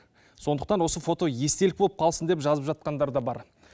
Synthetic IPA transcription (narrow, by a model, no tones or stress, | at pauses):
so̞nd̪əq̚t̪ɑnwo̞səfo̞t̪o̞je̞st̪eɪk̚bolˠəp̚qʰɑlˠsənd̪epʒɑzəpʒɑt̪̚qɑnd̪ɑɾd̪ɑbɑɾ